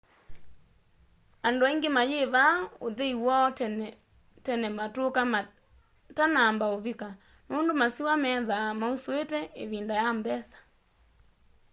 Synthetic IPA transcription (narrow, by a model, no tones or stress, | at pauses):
andoaiŋɡemajeβaoðeiwɔ | tɛnɛmatokam | tanambaoβika | noːndomasiwamɛːðamausoetɛeβindajambɛsḁ